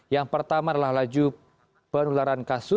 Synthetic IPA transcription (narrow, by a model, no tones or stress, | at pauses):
jaŋpərt̪amaadalahlad͡ʒu | pənulaɾankasʊ